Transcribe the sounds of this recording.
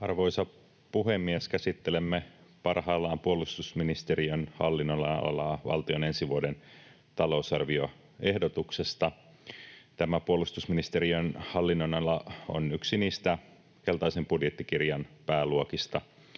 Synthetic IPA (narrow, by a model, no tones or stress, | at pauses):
ɑrʋo̞isɑ | puɦemːieskæsit̪ːelemːepɑrhɑːlːɑːmpuolust̪usminist̪eriønhɑ̰lːinːolːɑo̰lɑʋɑ̰lt̪ione̞nsiʋuoden | t̪ɑlo̞usɑrʋio | e̞hdot̪uksest̪ɑ | t̪æmæpuolust̪usminist̪eɾiønhɑlːinːonɑlɑo̰nyksiniːst̪æ | ke̞lt̪ɑisempudjet̪ːikirjɑnpæːluokist̪ɑ